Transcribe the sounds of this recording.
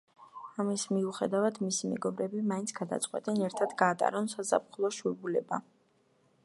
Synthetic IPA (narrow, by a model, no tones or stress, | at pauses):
amismiuχɛd̪avad̪misimɛ̰ɡɔbɾɛbimaint̪sʰɡ̥ad̪a̰t̪sʼqʼwɛ̰t̪ʼɛnɛɾt̪ʰad̪ɡaːt̪ʼa̰ɾɔnsaza̰pχulˠɔʃuɛbulɛba